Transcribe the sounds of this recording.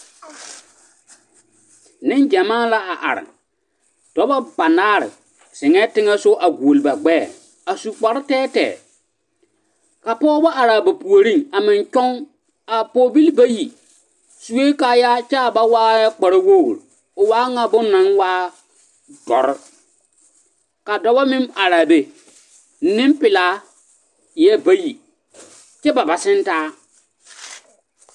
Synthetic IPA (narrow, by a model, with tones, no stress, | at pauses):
nɪ˦nd͡ʒɛ˨maː˦la˦a˨ʔa̰˨ɾɪ̰˨ | d̥ɔ˨˦ba˦ba˨naː˦ɾɪ̰˨ | sɪ˨ŋɛ˦tɪ˦ŋɛ˦sʊ˦ʔa˨ɡu˨o˨lɪ˨ba˨ɡ͡bɛː˦˨ | a˨su˨k͡pɔ˨ɾɪ˦tɛː˦tɛ̰ː˨ | ka˨pɔː˦bɔ˦ʔa˨ɾa˨ba˨pu˨o˨ɾi˦˨ŋa˨mɪ˨nt͡ʃɔ˦ŋ | a˨pɔː˦bi˦lba˦ji˨ | su˨we˦kaː˨˦ja˦t͡ʃɛ˦a˨ba˦waː˦ja˦k͡pa˨ɾa˦wo̰˦˨ɾ | ʊ˨waː˦ŋa˦bʊ˦nːã˨˦nwaː˦ | dɔ̰˨ɾɪ˦ | ka˨dɔ˨ba˦mɪ˦ma˨ɾa˨be˨˦ | nɪ̃˦mpɪ˨laː˦ | jɛ˦ba˦ji˨ | t͡ʃɛ˦ba˨ba˨sɪ˦n˦taː˦